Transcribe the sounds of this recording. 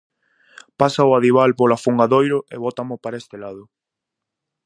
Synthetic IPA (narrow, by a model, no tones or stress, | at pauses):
pasaʊaðiβ̞alpolafuŋɡaðojɾʊʔeβɔt̪amʊpaɾest̪elaðʊ